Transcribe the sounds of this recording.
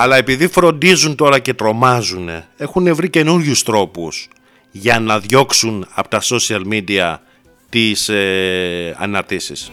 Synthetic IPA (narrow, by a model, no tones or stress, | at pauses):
ɐlɐe̞piðifɾo̞nd̪izunt̪o̞ɾɐce̞t̪ɾo̞mɐzune̞e̞xune̞vɾice̞nuɾʝust̪ɾo̞pus | ʝɐnɐðʝo̞ksunɐpo̥t̪ɐso̞siɐlmid̪iɐ | t̪ise | ɐ̰nɐɾt̪isis